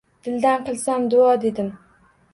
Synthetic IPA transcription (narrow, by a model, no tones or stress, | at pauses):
d̪̥ɪld̪ænqɨlˠsamd̪ʊɑd̪ed̪ɪm